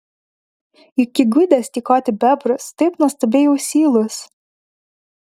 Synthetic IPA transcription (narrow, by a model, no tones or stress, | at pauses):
ikʲɪɡɪd̪ʲɛsʲt̪ʲikɔːt̪ʲɪbʲɛbɾʊst̪ɐɪpnɔst̪ɔbʲeːjɛʊsʲiːlˠʊs